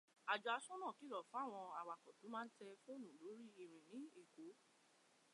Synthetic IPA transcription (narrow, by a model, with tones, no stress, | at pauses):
a˨d͡ʒu˨a˧sũ˦nã˦˨ki˨˦lɔ˦˨fũ˦a˦˨w̃ɔ̃˧a˨wa˨kɔ˨tũ˨˦mãː˦n̩˦tɛ˧fo˦o˦˨nũ˨lo˨˦ɾi˦i˦˨ɾ̃ĩ˨nĩ˨˦e˦˨ko˨˦